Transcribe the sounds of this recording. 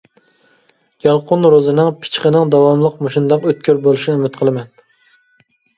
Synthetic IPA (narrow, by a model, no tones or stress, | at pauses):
ɡ̥ɑlˠqʊnɾozɨnɨŋpʰɪ̥t͡ʃqənɨŋd̪ɑwɑmlˠəqmoʃɪnd̪ɑŋøt̪̚kʲʰøɾbolˠɨʃnymɪt̪qʰəlˠɨmɛn